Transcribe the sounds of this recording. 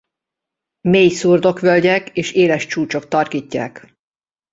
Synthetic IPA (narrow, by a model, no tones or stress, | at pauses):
meːjsurd̪o̞kʋølɟɛkeːʃeːlɛʃt͡ʃuːt͡ʃo̞k̚t̪ɒrkiːcːa̰ːk